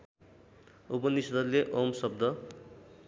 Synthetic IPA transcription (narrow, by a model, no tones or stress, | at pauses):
upʌnisʌd̪ʌnleʔomsʌb̚d̪ʌ